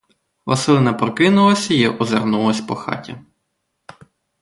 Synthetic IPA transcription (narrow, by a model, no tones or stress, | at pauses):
ʋɐ̰sɪlˠɪnɐpɾɔkɪnʊlˠɐsʲɐjiʔɔzernulˠɔsʲpɔxɑ̰tʲḭ